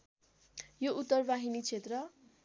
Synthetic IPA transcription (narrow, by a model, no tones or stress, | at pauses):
joʔut̪ːʌrbaɦinit͡sʰet̪rʌ